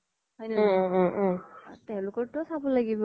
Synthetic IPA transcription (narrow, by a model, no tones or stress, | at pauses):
ɦɔjnɛ | tɛʊ̃lʊkɔɹtʊsabɔlaɡibɔ